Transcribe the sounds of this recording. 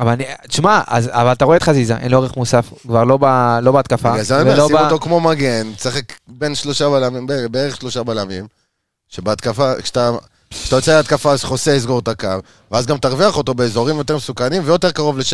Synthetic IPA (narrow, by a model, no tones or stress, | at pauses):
avalanit̪ʃmaa̰zavalat̪aʁoet̪χazizaʔḛnlioʁeχmusafkvaʁlo̞balo̞beat̪kafaazaelosimot̪okmo̞maɡe̞nsaχekbe̞nʃlo̞ʃabalamimbebeeʁeχʃlo̞ʃabalamim | ʃebeat̪kafakʃe̥t̪a | kt̪ajot͡seleat̪kafaʃe̥χoseis̬ɡo̞ʁt̪akav | veazɡamt̪aʁviaχo̞t̪o̞be̞eːzo̞ʁimjo̞t̪e̞ʁmesukanimvejo̞t̪e̞ʁkaʁo̞vleʃ